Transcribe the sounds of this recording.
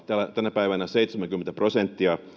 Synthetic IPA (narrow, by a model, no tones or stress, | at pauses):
t̪ælæt̪ænæpæiʋænæseit̪semæŋkymːent̪æprosent̪ːiɑ